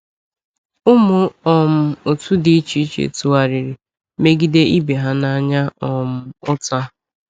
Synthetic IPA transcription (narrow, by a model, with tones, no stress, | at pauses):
ʊ˦mʊ˦ɔ˨m̩˦o˨tu˦di˦t͡ʃi˦t͡ʃḛ˨tu˨a˨ɾi˨ɾi˨ | me˦ɡi˦de˦ʔi˦be˨ɦa˦na˦ɲa˦ɔ˨m̩˦ʊ˦ta˦